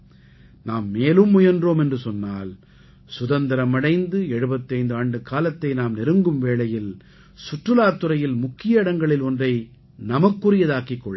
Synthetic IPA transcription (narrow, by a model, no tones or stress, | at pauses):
naːmːeːlɯmːʊjɐndroːmɛndrɯsɔnːaːl | sʊðɐnd̪ɪɾɐmɐɽɐɪnd̪ɯɛɻɯbɐt̪ːɐɪnd̪ɯaːɳɖɯkaːlɐt̪ːɐɪnaːmnɪɾɯŋɡɯmʋeːɭɐjɪl | sʊʈrɯlaːt̪ːɯɾɐjɪlmʊkːɪjɐɪɽɐŋɡɐɭɪlɔndrɐɪ | nɐmɐkːʊrɪjɐðaːkɪkːɔɭːɐ